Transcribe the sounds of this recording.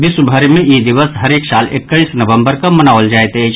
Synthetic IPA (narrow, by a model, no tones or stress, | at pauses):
d̪ɪsbʱəɾmẽid̪ɪʋəsɦəɾeːksaːlɪkːəĩsnəʋə̃mbəɾkamənaːəld͡ʒaːet̪ed͡ʒ